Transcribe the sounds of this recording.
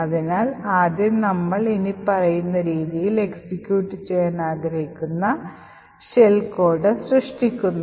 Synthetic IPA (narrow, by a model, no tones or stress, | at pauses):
ɐðinaːlaːd̪jɐnɐmːɐɭinipɐrɐjunːɐɾiːðijile̞ksikʲːjuːʈːɨt͡ɕejːaːnaːɡɾɐhikʲːunːɐ | ɕelko̞ːɖɨsrɨʂʈikʲːunːu